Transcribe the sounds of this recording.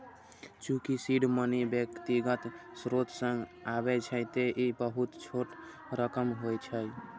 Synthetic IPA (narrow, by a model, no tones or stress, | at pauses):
t͡ʃũkisiɖmənibjəkt̪iɡət̪sɾot̪sə̃ŋɡabɛt͡ʃʰət̪eʔibəɦut̪t͡ʃʰoʈ | ɾəkəmɦojt͡ʃʰəj